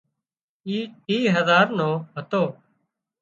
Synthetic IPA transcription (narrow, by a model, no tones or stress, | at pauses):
iːiːɦəzaːɾnoːɦət̪oː